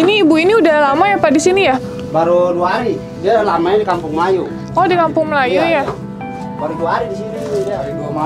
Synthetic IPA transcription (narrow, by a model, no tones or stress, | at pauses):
iniːbuiniudalamajapadisinija | baɾuduaɦaɾi | dialamaɲadikampʊŋməlaju | ɔdikampʊŋməlajuja | baɾuduaɦaɾidisinidaliduam